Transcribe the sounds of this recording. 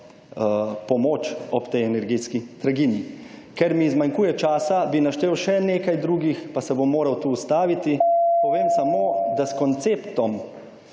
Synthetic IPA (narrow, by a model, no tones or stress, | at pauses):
pɔmoːt͡ʃɔpt̪ɛjɛnɛɾɡeːt̪skit̪ɾaɡinjikɛɾmiːzmaŋkuːjɛt͡ʃaːsabinaʃt̪eːwʃɛneːkajd̪ɾuːɡixpasɛbomːoːɾawt̪uːst̪aːʋit̪ipɔʋeːmsamoːd̪askɔnt̪seːpt̪ɔm